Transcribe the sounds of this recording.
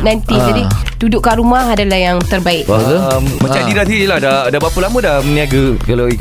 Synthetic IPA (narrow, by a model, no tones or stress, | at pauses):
najnt̪id͡ʒadi | dudʊʔkaɾumaɦadalahjaŋt̪ərbaɪʔakəmmãt͡ʃadiɾasiilahdadabapəlamədamniaɡəkalai